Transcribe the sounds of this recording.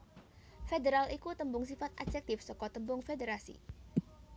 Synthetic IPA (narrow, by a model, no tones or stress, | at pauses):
fedeɾalʔikut̪əmbʊŋs̬ifat̪̚ʔḁd͡ʒɛk̚t̪ɪfsɔkɔt̪əmbʊŋfedeɾasḭ